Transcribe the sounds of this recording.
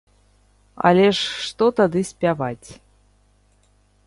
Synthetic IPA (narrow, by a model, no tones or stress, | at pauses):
ɑ̰lʲeʂːt̪ot̪ɑd̪ɨsʲpʲɑvɑtʲ